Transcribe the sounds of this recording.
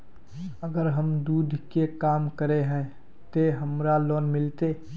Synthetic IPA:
əɡəɾɦəmd̪uːd̪ʱkekaːmkəɾeɦɛ̃ | t̪eɦəmɾaloːnmɪlt̪e

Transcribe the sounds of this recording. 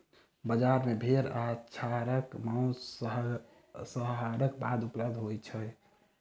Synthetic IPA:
bəd͡ʒaɾmebʱeɾat͡ʃʰaɾəkmau | səɦɦaɾəkbad̪upləb̚d̪ʱɦojt͡ʃʰə

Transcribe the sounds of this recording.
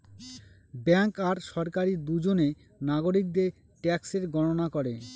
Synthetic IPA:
bɛŋkaɾʃɔɾkaɾid̪ud͡ʑone | naɡoɾik̚d̪e | ʈɛkseɾɡɔnonakɔɾe

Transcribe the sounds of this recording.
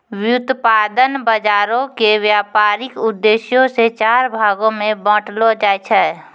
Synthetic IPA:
wjʊt̪paːd̪ənbəd͡ʒaːɾõkewjaːpaːɾɪkʊd̪ːeːʃjõset͡ʃaːɾbʱaːɡõmẽbɔ̃ːʈlod͡ʒaːjt͡ʃʰɛː

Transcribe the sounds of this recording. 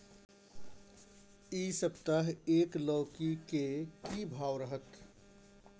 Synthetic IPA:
iːsəpt̪aɦeːkləːkikekibʱaːwɾəɦət̪

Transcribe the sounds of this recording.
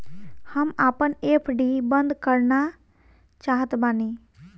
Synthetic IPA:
həmapənepʰɖibənd̪kəɾna | t͡ʃaɦət̪bani

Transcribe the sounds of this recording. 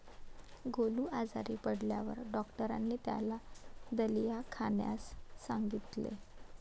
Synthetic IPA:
ɡoluːʔad͡zaɾiːpəɽljaʋə̰ɾɖɔkʈəɾanːiːt̪ja̰lad̪əlijakʰaɳja̰sːaŋɡit̪lḛ

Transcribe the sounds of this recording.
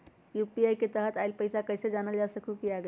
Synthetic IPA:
jupiajket̪əɦət̪aɪlpəɪsakəɪsed͡ʒanəld͡ʒasəkʰukiaɡə

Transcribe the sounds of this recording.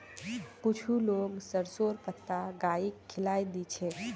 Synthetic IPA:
kut͡ʃʰuloːmsəɾsoɾpət̪ːaɡaikʰːɪlajd̪it͡ʃʰɛ

